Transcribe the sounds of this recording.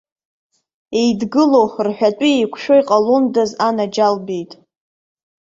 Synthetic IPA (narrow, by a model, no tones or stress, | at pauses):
e̞jdɡɨlorħʷᶣatʼiejkʷʰʃᶣojqʼalundazanad͡ʒalbijtʼ